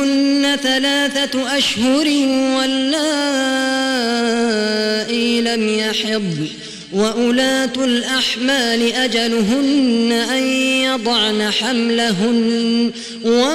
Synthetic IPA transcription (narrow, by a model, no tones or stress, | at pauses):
ʊnːaθalaːθaʔaʃhʊɾwalːaː | ʔɪlamjaħɪɨd̪ˤ | waʔʊlaːt̪alʔaħmaːlɪʔad͡ʒalʊɦʊnːaʔanjɑd̪ˤɑʕnaħamlaɦʊn | wa